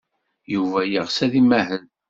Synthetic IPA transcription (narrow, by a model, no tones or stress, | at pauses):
juvæjəʁsæðimæhəð